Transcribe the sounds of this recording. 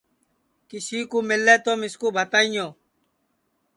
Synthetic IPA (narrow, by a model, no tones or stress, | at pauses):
kɪsiːkuːmɪlːeːt̪oːmɪskuːbʱət̪aːiɲjoː